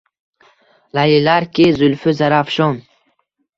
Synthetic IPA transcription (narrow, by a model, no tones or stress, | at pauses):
lajilaɾkʲizulfizaɾafʃɔn